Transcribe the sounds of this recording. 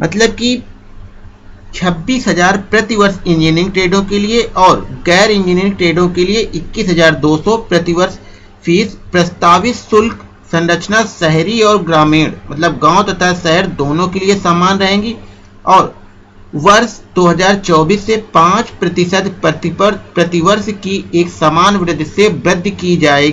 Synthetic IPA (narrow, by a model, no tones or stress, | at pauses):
mʔɐt̪ləb̚ki | t͡ʃʰɐbːiːsɦɐzaːɾpɾɐt̪iʋəɾsɪ̃nd͡ʒɪnɪ̃ŋɡ̚ʈɾeːɖõkelieʔɔːɾɡɛːɾɪ̃nd͡ʒɪːnɪ̃ŋɡ̚ʈɾeːɖõkelieʔɪkːiːsɦɐzaːɾd̪oːsɔpɾɐt̪iʋəɾs | fʰiːspɾɐst̪aːʋɪt̪sʊlk | sɐ̃nɾət͡ʃnasɛɦɾiɔːɾɡɾaːmẽːɽmɐt̪ləb̚ɡãːot̪ɐt̪ʰasɛɦəɾd̪oːnõkeliesaːmaːnɾɐɦẽːɡiː | ɔːɾ | ʋɐɾsd̪̥oːɦɐzaːɾt͡ʃɔːbiːsːepãːt͡ʃpɾɐt̪ɪʃəd̪ | pɾɐt̪ɪʋəɾskieːksaːmaːnʋɾɪd̪ʱːsebɾɪd̪ʱːkid͡ʒaːeːɡiː